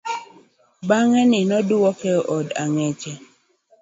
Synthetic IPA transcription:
baŋɛnɪnɔduwɔkɛʔɔda̰ŋɛt͡ʃɛ

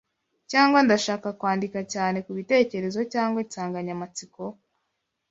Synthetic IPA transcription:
caːŋɡwandaʃaːkakwaːndikacaːne̞kuβite̞ːce̞ɾe̞zo̞caːŋɡwasaːŋɡaɲamat͡siko̞

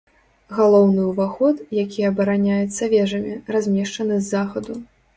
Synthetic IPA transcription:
ɣalˠɔwnɨuvaxɔt̪jakʲijɐːbɐɾanʲajɛt̪sːɐvʲɛʐɐmʲirazʲmʲɛʂt͡ʂɐnɨzːaxɐd̪u

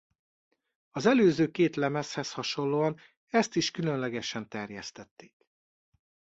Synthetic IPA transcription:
ɒzɛløːzøːkeːt̪lɛmɛshɛshɒʃo̞nloːɒn | ɛst̪iʃkylønlɛɡɛʃɛnt̪ɛrjɛst̪ɛt̪ːe̥ːk

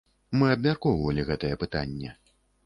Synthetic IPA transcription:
mɨɐbmʲarkɔwɐvɐlʲiɣɛt̪ɐjɛpɨt̪anʲːɛ

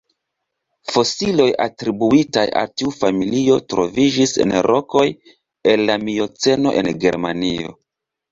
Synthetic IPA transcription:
fo̞silo̞ja̰tɾibuitaja̰ltiufamilio̞tɾo̞vid͡ʒise̞̰nɾʔo̞ko̞j | e̞lːamio̞t͡se̞no̞̰ʔe̞̰nɡe̞̰ɾma̰nio̞̰

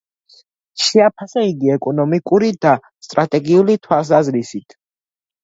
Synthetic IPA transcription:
ʃɛapʰasaiɡiɛkʼɔnɔmikʼuɾid̪a | st̪ʼɾat̪ʼɛɡiulit̪ʰwalˠs̬azɾisit̪ʰ

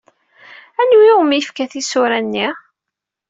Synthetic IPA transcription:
ænujumijəfkæθisʊɾænːi

